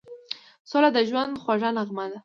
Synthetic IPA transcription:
sɑlad̪əʒwand̪xwaʐanaɣmad̪a

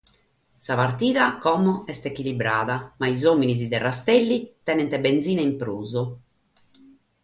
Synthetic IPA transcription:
sapart̪iːðakɔmɔɛst̪ekilibɾaːðamaizoːminiz̬id̪ɛrast̪ɛlːit̪ɛnɛnt̪ɛbend̪ziːnaimpɾuːzo

